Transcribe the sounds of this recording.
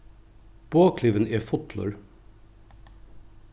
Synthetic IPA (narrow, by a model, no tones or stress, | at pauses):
b̥oːkʰlɪʋəneːfʊt̪lʊ̰ɹ